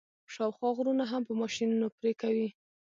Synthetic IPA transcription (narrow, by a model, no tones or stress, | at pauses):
ʃɑwxwɑɣɾunaɦampəmɑʃinunopɾekawi